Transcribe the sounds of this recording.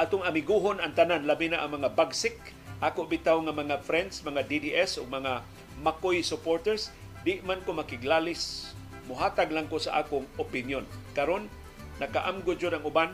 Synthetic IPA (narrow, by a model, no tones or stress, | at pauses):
ʔaːt̪ʊŋamɪɡuɦonaŋt̪ananlabɪnaʔaŋmɐŋabaɡsɪk̚ | ʔaːkʊʔbɪt̪awŋamaŋafɾɛnd̪smɐŋad̪id̪iʔɛsʊɡ̚mɐŋa | makojsʊpoɾt̪ɛɾs | d̪ɪʔmankʊmakɪɡlalɪs | mʊɦaːt̪aɡlaŋkʊsaʔaːkʊŋʔopɪnjonkaɾonː | akaʔamɡʊt͡ʃod̪aŋʊban